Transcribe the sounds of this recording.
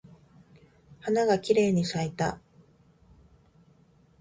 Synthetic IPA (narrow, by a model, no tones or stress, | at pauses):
hanaɡakʲiɾe̞ːɲ̟isait̪a